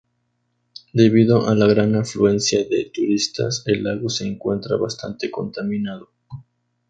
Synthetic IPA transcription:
d̪e̞βiðoʔalaɣɾanaflue̞nsjaðet̪uɾist̪a̰se̞lːaɣo̞se̞ːŋkwe̞nt̪ɾa̰βast̪a̰nt̪e̞ko̞nt̪amĩnaðo

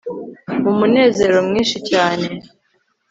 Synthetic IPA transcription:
mumune̞ːze̞ːɾo̞mŋiːnʃicaːne̞

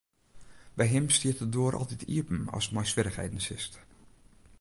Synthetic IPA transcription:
bɛjɦɪmstiətədoːəɾʔɔ̰lˠtitʰiəpn̩ɔ̰smɛjsʋwɪɾəxhḛjdən̩sɪst

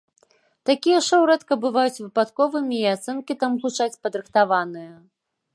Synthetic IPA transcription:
t̪akʲijɐʂɛwɾɛt̪kɐbɨvajut͡sʲvɨpat̪kɔvɨmʲiːat̪sɛnkʲit̪amɣut͡ʂat͡sʲpɐd̪ɾɨxt̪avanɨjɐ

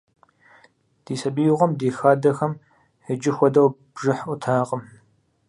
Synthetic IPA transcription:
d̥iːsɐbiːʁʷɐmdiːxaːdɐxɐm | ħəd͡ʒɪxʷɔdɐwb̥ʒɨħʔʷʊtʰaːqəm

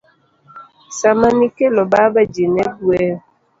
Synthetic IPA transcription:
samanikelɔbabad͡ʒenɛbuɛ

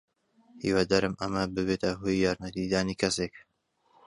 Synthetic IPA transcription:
hḭːwad̪aɾɨmɐmɐbɨβeːt̪ʰɐɦoːjːaːɾnɐt̪id̪aːniːkʰɐsek

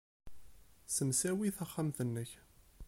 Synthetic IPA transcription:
səmsæwiθɑχːæmθənːəç

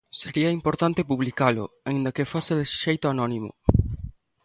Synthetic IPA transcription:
seɾiɐimpoɾt̪ant̪ɪpuβlikalʊ̰aĩnd̪ɐkɪfosɪðesʃejt̪ʊanɔnimʊ̰

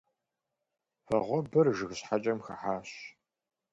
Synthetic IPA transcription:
fɐʁʷɔbɨrʒɨɣɕħat͡ʃʼɐmxɐ̰ħaːɕ

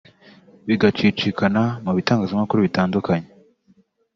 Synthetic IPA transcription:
βiɡat͡ʃit͡ʃikʰanamuβitaːŋɡazamakuɾuβitaːndukaɲe

